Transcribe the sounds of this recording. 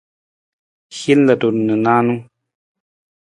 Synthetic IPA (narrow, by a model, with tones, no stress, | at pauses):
hi˦llə˨to˨nɨ˨nã˦nũ˦